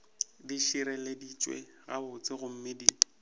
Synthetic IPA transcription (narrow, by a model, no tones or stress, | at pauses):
diʃiɾɛledit͡ʃʼwḛ | ɣa̰bʊt͡sʼɪɣʊm̩mɪdi